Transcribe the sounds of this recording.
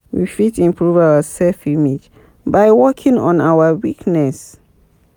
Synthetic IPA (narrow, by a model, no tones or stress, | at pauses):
wifitĩmpʰɹuvawəsɛlfimid͡ʒ | bajwɔkʰĩŋɔ̰̃nawəwiknɛs